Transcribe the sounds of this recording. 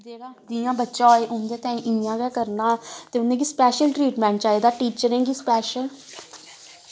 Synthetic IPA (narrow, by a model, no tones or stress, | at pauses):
d͡ʒeːɽaːd̪iːjãːbətːʃãːeːʔʊnd̪eːt̪ɛ̃ːĩːʔiːjãːɡɛːkəɾnãːt̪eːʊnːẽːɡiːspɛːʃəlʈɾiːʈmɛ̃ːɳʈ̚t͡ʃaːiːd̪aːʈiːt͡ʃəɾẽːɡiːspɛːʃəl